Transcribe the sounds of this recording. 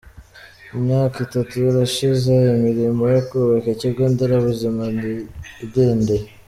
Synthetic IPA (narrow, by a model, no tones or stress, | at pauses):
imɲaːkitatujɾaʃizejimiɾimojakowekeciɡoːndeɾaβuzimanideːnde